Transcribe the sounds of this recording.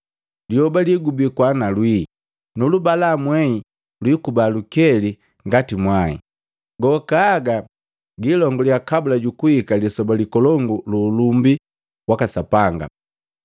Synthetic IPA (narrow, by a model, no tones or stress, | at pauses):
lihɔbaliɡubikwanalwi | nulubalamwɛi | lwikubalukɛli | ŋɡatimwaḭ | ɡɔkaːɡa | ɡilɔŋɡɔljakabulaɟukuhikalisɔbalikɔlɔŋɡululumbi | wakasapaŋɡa̰